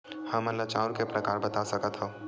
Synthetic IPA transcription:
hãmɐlːat͡ʃaːʊɾkepɾɐkaːɾbɐt̪asɐkət̪ɦo

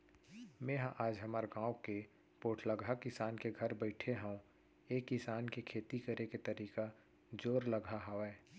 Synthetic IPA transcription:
mẽːɦãʔaːd͡ʒɦɐmaːɾɡãːwke | poːʈʰlaɡʱakɪsaːnkeɡʱɐɾbəɪʈʰeɦãũ | eːkːɪsaːnkekʰeːt̪ikəɾeket̪ɐɾiːka | d͡ʒoːɾlɐɡʱaɦɐɛː

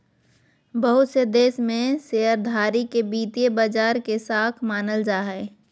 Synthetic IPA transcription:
bəɦʊt̪sed̪eːsmẽseːəɾd̪ʱaːɾikebiːt̪ijebaːd͡ʒaːɾkesaːk̪ʰmaːnəld͡ʒaːɦɛː

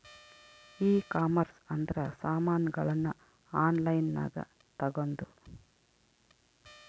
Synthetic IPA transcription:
iːkaːmɐɾsɐnd̪ɐɾɐsaːmaːnɐɡɐɭɐnːu | aːnlɐjnːa̰ːɡɐ̰ | t̪ɐɡond̪u

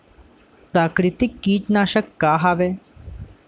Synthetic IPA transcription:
pɾaːkɾɪt̪ɪkːiːt͡ʃnaːʃəkːaːɦaʋe

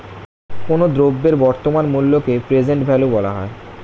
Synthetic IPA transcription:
konod̪ɾobːeɾbɔɾt̪omanmulːokepɾed͡ʑeɳʈbʱɛlobɔla̰ɦɔ̰e

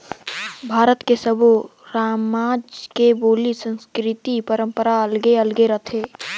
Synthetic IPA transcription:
bʱaːɾət̪kesəbʱu | ɾaːmaːd͡ʒkeboːlisə̃nskɾɪt̪ipəɾə̃mpəɾaəlɡeəlɡeɾət̪ʰeː

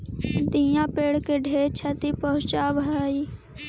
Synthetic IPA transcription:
d̪ĩjãpeːɽkeɖʱeːt͡ʃʰɐt̪ipəɦʊ̃t͡ʃaːbʱɦəi

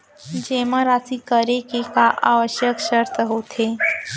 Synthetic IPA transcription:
d͡ʑeməɾat͡siːkəɾekekaʔa̰ʋəɕjəkɕəɾt̪ʰəɦot̪ʰe

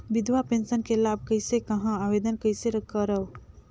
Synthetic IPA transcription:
bid̪ʱwapensənkelab̚kəjsekəɦãabed̪ənkəjseɾəkəɾəw

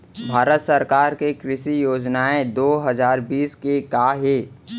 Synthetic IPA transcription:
bʱaːɾət̪səɾkaːɾkekɾɪʃijoːd͡ʒnaːed̪oːɦəzaːɾbiːskekaːɦeː

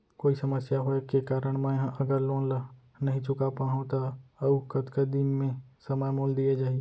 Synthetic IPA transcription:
koːisəməsjaɦoekekaːɾəɽ̃mẽjɦãʔɐɡəɾlõːnla | nɐɦĩt͡ʃʊkapaːɦõt̪aɐukət̪kəd̪immẽsəməjmoːld̪iad͡ʒaːi

